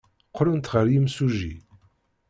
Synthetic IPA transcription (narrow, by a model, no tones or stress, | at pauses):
qʰːɾʊnt̪ʁəɾjimsuʒḭ